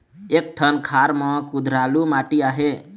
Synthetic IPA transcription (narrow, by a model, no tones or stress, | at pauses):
ek̚ʈʰənkʰaɾmə̃kud̪ʱɾalumaʈiaɦe